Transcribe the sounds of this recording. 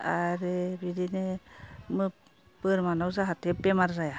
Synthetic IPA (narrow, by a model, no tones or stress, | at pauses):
aɾebidinemɯ | pɯɾmanawzaɦatʰepemaɾzaja